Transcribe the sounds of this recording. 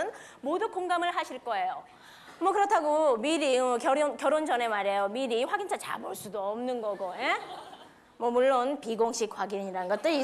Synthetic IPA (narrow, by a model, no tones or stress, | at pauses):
ɯn | moduk͈oŋɡamɯɭɦaɕʰiɭk͈ʌe̞jo | mwʌkɯɾʌtʰaɡomiɾiʌkjʌɾonkjʌɾond͡ʑʌne̞maɾe̞jomiɾiɸwaɡinsʰat͡ɕa̰boɭs͈udoʌmnɯnɡʌɡoe | mwʌmuɭːonpiɡoŋɕ͈ʰik̚waɡiɲiɾanɯnɡʌt͈ɯɾi